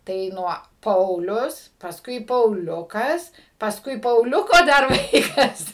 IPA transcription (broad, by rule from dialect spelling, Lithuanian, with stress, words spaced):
tɐɪ ˈnuɔ ˈpɐʊlʲʊs pɐsˈkʊɪ pɐʊˈlʲʊkɐs pɐsˈkʊɪ pɐʊˈlʲʊkoː ˈdɐr ˈʋɐɪkɐs